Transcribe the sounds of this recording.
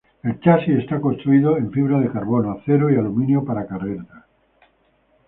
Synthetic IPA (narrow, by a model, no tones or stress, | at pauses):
e̞lt͡ʃasie̞st̪ako̞nst̪ɾuiðo̞e̞ɱfiβ̞ɾað̞e̞kaɾβo̞noaθe̞ɾoialumĩnjopaɾakareɾt̪a